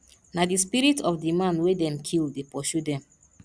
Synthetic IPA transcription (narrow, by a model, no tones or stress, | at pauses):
nadispiɾitɔfdimãnwedɛ̃mkʰilˠdepɔʃudɛ̃m